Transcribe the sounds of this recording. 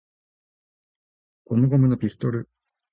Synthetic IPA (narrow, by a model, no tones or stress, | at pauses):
komoɡomɯ̟nopʲisɨ̥t̪o̞ɾɯ̟